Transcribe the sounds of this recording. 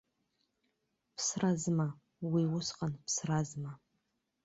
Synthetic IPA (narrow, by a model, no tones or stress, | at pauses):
pʰsrazma | wiwʊsqʼanpʰsrazma